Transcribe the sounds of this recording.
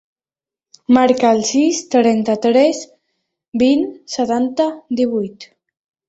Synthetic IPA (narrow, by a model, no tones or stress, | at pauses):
maɾkaːlˠsist̪ɾɛnt̪ət̪ɾɛs | binsət̪ant̪əd̪iβ̞ujt̪